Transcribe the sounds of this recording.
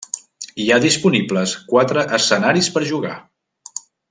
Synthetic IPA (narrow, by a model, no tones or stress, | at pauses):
iaðispunibləskwat̪ɾəʔəsənaɾispəɾʒuɣa̰